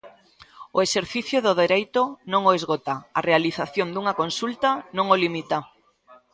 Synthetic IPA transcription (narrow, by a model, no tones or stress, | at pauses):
oeseɾθiθjoðoðeɾejt̪onõŋoezɣot̪aarealiθaθjond̪uŋakonsult̪anõŋolimit̪a